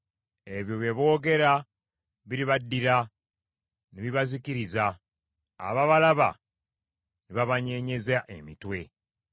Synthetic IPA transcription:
e̞βjo̞βjeβo̞ːɡe̞ɾa | βiɾiβadːiɾa | niβiβazikiɾiza̰ː | βaβalaβa̰ | niβaβaɲe̞ɲe̞zaʔemitwe̞

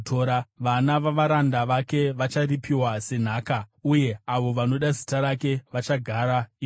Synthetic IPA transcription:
toːɾaʋanaʋaʋaɾandaʋake̞ʋat͡ʃaripiwase̞n̤aːkauje̞aʋo̞ʋano̞ɗazitaɾake̞ʋat͡ʃaɡʱaːɾai

